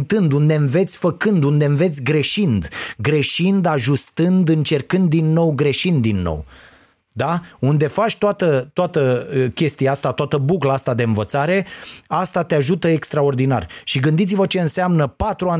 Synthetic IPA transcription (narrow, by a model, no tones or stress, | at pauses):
t̪ɨnd̪und̪e̞ɱve̞t̪sʲfəkɨnd̪und̪e̞ɱve̞t̪sʲɡɾe̞ʃind̪ɡɾe̞ʃind̪aʒust̪ɨnd̪ɨnt͡ʃe̞rkɨnd̪ːinːo̞wɡɾe̞ʃind̪ːinːo̰w | d̪aund̪e̞fat͡ʃʲt̪oat̪ət̪oat̪əkʲe̞st̪iaast̪at̪oat̪əbuklaast̪ad̪e̞ɨnvət̪saɾe̞ast̪at̪eaʒut̪əekst̪ɾao̞rd̪ina̰rʲʃiɡɨnd̪it̪sivət͡ʃe̞ɨnseamnəpat̪ɾua